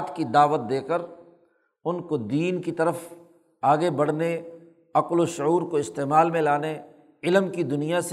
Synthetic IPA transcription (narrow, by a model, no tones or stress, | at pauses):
t̪kid̪aːʋət̪̚d̪eːkəɾ | ʊnkod̪iːnkit̪ɐɾəf | aːɡebɐɽ̤ne | ɐqloʃʊuːɾkoɪst̪eːmaːlmẽlaːne | ɪləmkid̪ʊnijas